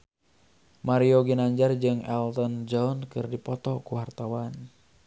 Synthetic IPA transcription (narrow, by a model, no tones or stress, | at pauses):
maɾioɡinaɲd͡ʒard͡ʒɨŋɛlt̪ɔnd͡ʒɔɔnkɨrdipɔt̪ɔkuwart̪awan